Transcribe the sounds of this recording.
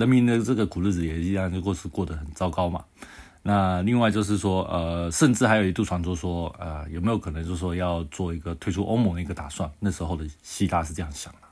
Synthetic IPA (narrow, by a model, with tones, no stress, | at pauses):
lə˧˥nmi˧˥nd̪ə˧ʈ͡ʂɤ˥˩ɡə˩kʰu˨˩l̩˥˩d͡zɹ̩˨˩jɛ˨˩i˥a˥˧ŋ˧kɔ˥˧ʂɻ̩˥˧kwɔ˥˩d̪ə˩xə˨˩nt͡sɑ˥ʊkɑ˥ʊma̰˨ | na˥˧li˥˧ŋwa˥˧ɪt͡ɕjo˥˧ʊʂ̬ɻ̩˥˩ʂwɔ˥ə˧ʂə˥˧nʈ͡ʂɻ̩˥˩a˧˥jo˨˩ʊi˧˥t̪u˥˩wa˧˥nʈ͡ʂwɔ˥˧ʂwɔ˥ə̰˧jʊme˧˥jo˧˩˥k̪ʰə˧˦ŋt͡ɕjo˥˧ʊʂɻ̩˥˩wɔ˥jɑ˥˧ʊt͡swɔ˥˩i˧˥ɡə˧t̪ʰwe˥ɪʈ͡ʂʰu˥ʔo̰˥ʊm˧˥ŋd̪ə˧˩i˧˥ɡə˧t̪a̰˨˩swa˥˩nna˥˩ʂɻ̩˧˥xo˥˩ʊd̪ə˩ɕi˥t̪a˥˧ʂɻ̩˥˧ɤ˥˧jɑ˥˩ŋɕjɑ̰˨˩ŋd̪ə˦